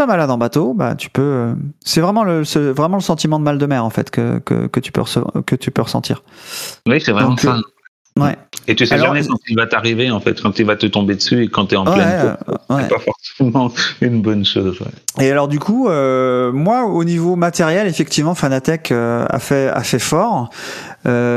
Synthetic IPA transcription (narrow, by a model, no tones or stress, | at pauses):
pamalad̪ɑ̃bat̪oba̰t̪ʰy̥pøøsɛvʁɛmɑ̃ləsəvʁɛmɑ̃ləsɑ̃t̪imɑ̃d̪əmald̪əmɛʁɑ̃fɛ̰t̪kə̰kə̰kət̪y̥pø̰ʁəsəvɑ̰̃kət̪ypøʁəsɑ̰̃t̪ʰḭːʁwisɛvʁdɛɔ̃mɑ̃kaɛ | wɛet̪ysɛalamɛkɑ̃t̪ivat̪aʁiveɑ̃fɛ̰t̪kɑ̃t̪yvat̪ət̪ɔ̃bed̪əsyekɑ̃t̪yɛɑ̃pwlɛɛwɛɛpafɔʁsemɑ̃ynbɔnʃoːzwɛ̰ealɔʁd̪ykuømwaonivomat̪eʁjɛlefɛk̚t̪ivmɑ̃fanat̪ɛkʰøa̰fɛa̰fɛfɔʁ | ø